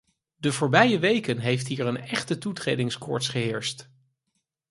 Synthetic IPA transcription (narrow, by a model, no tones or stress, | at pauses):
dəvʊːɹbɛjəʋejkənɦejftɦiːɹənɛχtətutrejdɪŋskɔ̰ɹtsχəɦɪːɹst